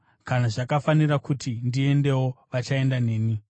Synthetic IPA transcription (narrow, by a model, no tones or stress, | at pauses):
kanaʐakafanirakutʰindie̞nde̞wo̞ʋat͡ʃae̞ndane̞ːni